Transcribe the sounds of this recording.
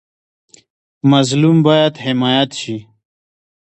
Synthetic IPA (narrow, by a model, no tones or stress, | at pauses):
mɐzlumbaːjat̪hɪmaːjat̪ʃi